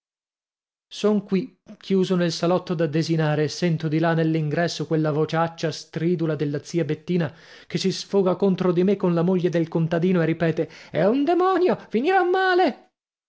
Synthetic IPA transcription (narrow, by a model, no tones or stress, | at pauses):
soŋkwikʰjuːzonelsalɔt̪ːod̪ad̪ːezinaːɾesːɛnt̪od̪ilanːelːiŋɡɾɛsːokwelːavot͡ʃat͡ʃːast̪ɾiːd̪ulad̪elːat̪siːabet̪ːiːna | kesisfoːɡakont̪ɾod̪imekːonlamoʎːed̪elkont̪ad̪iːnoerːipɛːt̪eɛund̪emɔnjofiniɾamːaːle